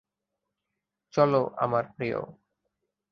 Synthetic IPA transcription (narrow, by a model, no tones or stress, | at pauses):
t͡ɕɔloʔa̰maɾpɾijo̰